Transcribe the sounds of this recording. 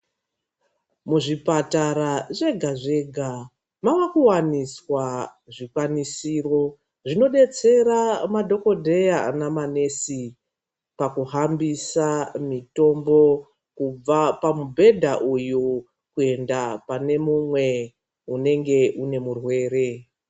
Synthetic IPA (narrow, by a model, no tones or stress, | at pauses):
muʐipataɾaʐe̞ɡʱaʐe̞ɡʱa | mawakuwaniswa | ʐikwanisiːro̞ | ʐino̞ɗe̞t͡se̞ɾamadʱo̞ko̞dʱe̞jaa̰namane̞si | pakuɦambisamito̞mbo̞ | kub͡vapamubʱe̞dʱaʔuju | kue̞ndapane̞mumwe̞ | une̞ŋɡe̞ʔune̞murwe̞ːɾe̞